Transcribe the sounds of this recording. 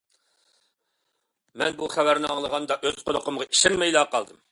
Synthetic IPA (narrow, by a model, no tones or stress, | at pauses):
mɛ̰nbuχæwæɾnɪɑŋlˠəʁɑnd̪ɑʔøzqʰoloqəmʁɑʔiʃɛnmɛjlˠɑːqɑlˠd̪ɨm